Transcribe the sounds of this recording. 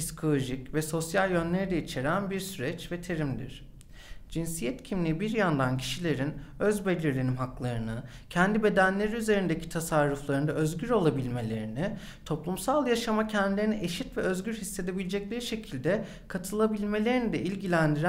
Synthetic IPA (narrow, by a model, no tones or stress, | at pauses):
bisi̥kʰo̞lˠo̞ʒicvɛso̞sjalʲˠjø̞nlʲe̞ɾid̪ɛit͡ʃʰe̞ɾænbiɾsyɾɛt͡ʃvɛt̪ʰe̞ɾimd̪ḭɾ̥ | d͡ʒinsijɛt̪cʰimlʲibiɾjand̪ancʰi̥ʃilʲe̞ɾinøzbe̞lʲiɾlʲenimɦaklˠaɾɯnɯ | cʰɛnd̪ibe̞d̪ænlʲe̞ɾiyze̞ɾind̪ecʰi̥t̪ʰasaɾːuflˠaɾɯnd̪aøzɟyɾo̞lˠabilʲme̞lʲe̞ɾini | t̪ʰo̞plˠumsalˠjaʃamacʰɛnd̪ilʲe̞ɾiniʔeʃit̪vɛøzɟyɾhisːe̞d̪e̞bilʲed͡ʒɛclʲeɾiʃe̞cʰilʲd̪ɛ | kʰat̪ʰɯlˠabilʲme̞lʲe̞ɾinid̪ɛʔilʲɟilʲænd̪iɾ